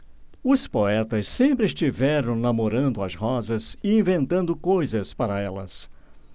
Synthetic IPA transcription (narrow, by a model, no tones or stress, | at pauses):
ʊspoɛt̪ɐssẽmpɾɪɪst͡ʃivɛɾɐ̃w̃namoɾɐ̃nd̪ʊɐzhɔzɐzɪĩvẽnt̪ɐ̃nd̪ʊkojzɐspaɾɐɛlɐ̰s